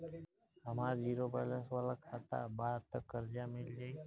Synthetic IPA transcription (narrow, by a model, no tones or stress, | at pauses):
ɦəmaɾd͡ʒiːɾobaləsʋalakʰat̪a̰baːt̪əkːəɾd͡ʒamɪld͡ʒa